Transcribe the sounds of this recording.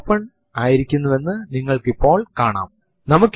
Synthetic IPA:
pːɐɳ | aːjiɾikʲːunːɐʋe̞nːɨniŋːɐɭkipːo̞ːɭkaːɳa̰ːm | nɐmukː

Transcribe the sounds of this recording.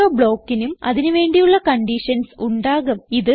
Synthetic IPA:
ɐbɭo̞ːkːinumɐ̰ðinuʋe̞ːɳɖijuɭːɐkɐɳɖiʂɐnsuɳɖaːɣumiðɨ

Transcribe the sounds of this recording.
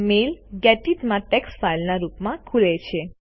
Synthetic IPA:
melɡɛʈiʈmãʈɛksʈfajlnaɾupmãkʰulet͡ʃʰe

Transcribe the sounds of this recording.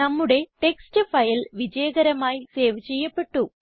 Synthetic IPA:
ɐmːuɽe̞ʈe̞kstɨfɐjlʋid͡ʑɐjɐɡɐɾɐmaːjiseːʋɨt͡ɕe̞jːɐpːe̞ʈːu

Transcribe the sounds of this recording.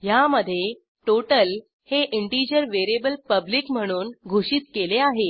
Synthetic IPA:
jaməd̪ʱːje | ʈoʈəl | heʔiɳʈid͡ʑəɾʋeɾebəlpəblikm̤əɽ̃uːnɡʱuɕiːt̪keleaɦe

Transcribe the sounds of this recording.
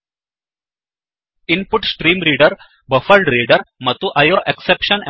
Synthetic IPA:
ɪnpʊʈsʈɾiːmɾiːɖəɾ | bɐfɐlɖɾiːɖəɾmɐt̪uʔɐjoːʔeksepʃəne

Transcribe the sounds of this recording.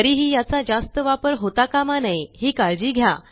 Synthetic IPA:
əɾiːɦiːjat͡sad͡zast̪əʋapəɾɦot̪akamanajɦiːkaɭd͡ʑiːɡʱja

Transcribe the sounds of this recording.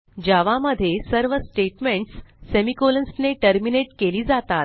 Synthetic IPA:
d͡ʑaʋaməd̪ʱːjesəɾʋəsʈeʈmeɳʈsːemikolənsneʈəɾmineʈkeliːd͡zat̪at̪̚

